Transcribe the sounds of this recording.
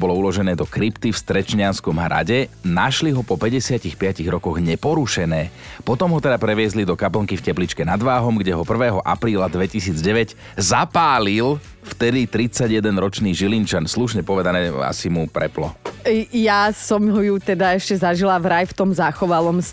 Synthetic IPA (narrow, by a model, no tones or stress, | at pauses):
bɔlɔulɔʒɛnɛːd̪ɔkɾipt̪ifst̪ɾɛt͡ʃɲɪanskɔmɦɾʔa̰ɟɛnaʃliɦɔpɔpɛɟɛsɪacixpɪaciɣɾɔkɔɣɲɛpɔɾuʃɛnɛːpɔt̪ɔmɦɔt̪ɛd̪apɾɛʋɪɛzlid̪ɔkapl̩ŋkifcɛplit͡ʃkɛnad̪ʋaːɦɔmɡɟɛɦɔpr̩ʋɛːɦɔʔa̰pɾiːlad̪ʋɛcisiːd͡zɟɛʋɛɟ | zapaːlil | ft̪ɛd̪it̪ɾit͡saɟjɛd̪ɛnɾɔt͡ʃniːʒilint͡ʃansluʃɲɛpɔʋɛd̪anɛːa̰simupɾɛplɔ̰jasɔmɦɔjut̪ɛd̪aɛʃcɛzaʒilavɾajft̪ɔmzaxɔʋalɔms